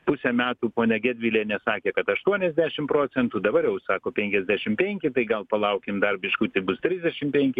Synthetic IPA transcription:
pʊsʲɛmʲæːt̪uːpoːnʲɛɡʲæːd̪ʲʋʲɪlʲeːnʲɛsɑːkʲeːkɐt̪ɐʃt̪uɔnʲɛzʲd̪ʲæːʃʲɪmpɾoːt͡ssʲɛnt̪uːd̪ɐbɐɾjɛʊsɑːkoːpʲɛŋʲkʲɛzʲd̪ʲæːʃʲɪmpʲɛŋʲkʲɪt̪ɐɪɡɐlˠpɐlˠɐʊkʲɪmd̪ɐrʲbʲɪʃkut̪ʲɐɪbʊst̪ʲɾʲɪzʲdʲɛʃʲɪmpʲɛŋʲkʲɪ

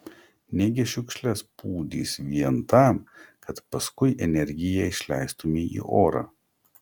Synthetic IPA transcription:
nʲɛɡʲɪʃʲʊkʃʲlʲɛspuːd̪ʲḭːsʋʲiɛnt̪ɑˑmkʰɐt̪pɐskʊɪʔɛnʲɛɾʲɡʲɪjɛɪʃʲlʲɛ̰ɪst̪ʊmʲiʔḭːʔoːɾɑ̰ː

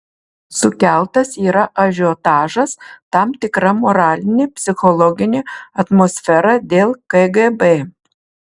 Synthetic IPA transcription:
sʊkʲɛˑlˠt̪ɐsiːɾɐʔɐʒʲɔt̪ɑːʒɐst̪ɑmt̪ʲɪkɾɐmoɾɑːlʲɪnʲepʲsʲɪxɔlˠɔɡʲɪnʲeɐt̪moːsʲfʲɛɾɑd̪ʲeːlˠkɛɡebe

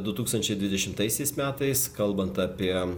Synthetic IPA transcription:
d̪ʊt̪uːkst̪ɐnʲt͡ʃʲɛɪd̪ʲʋʲɪd̪ʲɛʃʲɪmt̪ɐɪsʲɛɪsmʲæːt̪ɐɪskɐlˠbɐnt̪ɑːpʲiɛ

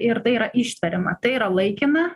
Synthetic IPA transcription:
ɪɾt̪ɐɪiːɾɐʔiːʃʲt̪ʋʲɐɾʲɪmɐt̪ɐɪiːɾɐlˠɐɪkʲɪnɐ

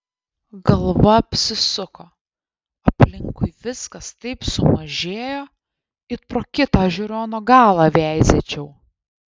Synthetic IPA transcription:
ɡɐlˠʋɐɐpʲsʲɪsʊkoː | ɐpʲlʲɪŋkʊɪʋʲɪskɐst̪ɐɪpsʊmɐʒʲeːjo | ɪt̪pɾoːkʲɪt̪ɑːʒʲʊɾʲoːnoːɡɑːlˠɑːʋʲæˑɪzʲet͡ʃʲɛʊ

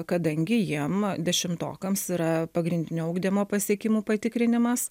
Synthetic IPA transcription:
kɐd̪ɐŋʲɡʲɪjiɛmd̪ʲɛʃʲɪmt̪o̰ːkɐmsiɾɐpɐɡɾʲɪnʲd̪ʲɪnʲuːʊɡd̪ʲiːmoːpɐsʲiɛkʲɪmuːpɐt̪ʲɪkɾʲɪnʲɪmɐs

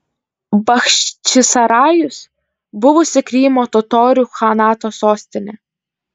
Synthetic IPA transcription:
bɐxʃʲt͡ʃʲɪsɐɾɑːjʊs | bʊʋʊsʲɪkɾʲiːmoːt̪ʊt̪oːɾʲuːxɐnɑːt̪oːsoːsʲt̪ʲɪnʲɛ

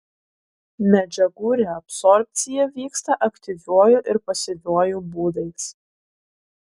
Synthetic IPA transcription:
mʲɛd͡ʒʲɛɡuːɾʲeɐpsɔɾʲpʲt̪sʲɪjɛʋʲiːkst̪ɐʔɐkt̪ʲɪʋʲuɔjuʔɪɾpɐsʲɪʋʲuɔjubuːd̪ɐɪs

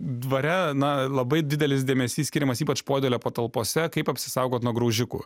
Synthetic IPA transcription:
d̪ʋɐɾʲɛnɐlˠɐbɐɪd̪ʲɪd̪ʲɛlʲɪsd̪ʲeːmʲɛsʲiːsʲkʲɪɾʲɪmɐsiːpɐt͡ʃpoːd̪ʲeːlʲoːpɐt̪ɐlˠpoːsʲɛkɐɪpɐpʲsʲɪ̥sɐʊɡoːt̪nuɔɡɾɐʊʒʲɪkṵː

